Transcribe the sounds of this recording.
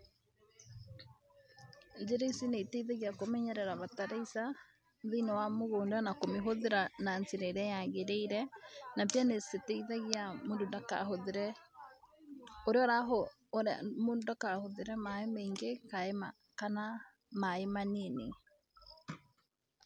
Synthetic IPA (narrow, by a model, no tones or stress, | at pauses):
d͡ʒeɾeisineiteiðaɣiakomɛɲɛɾɛɾaβataɾaisa | ðinɔwamoɣoːndanakomeɦoðeɾananseɾeɾɛjaɣeɾeiɾɛnapjaneseteiðaɣiamondodaka̰hoðeɾɛ | oɾeɔɾaɦo | ɾ̰modakahoðeɾɛmaemeːŋɡekaema | kana | maemaniene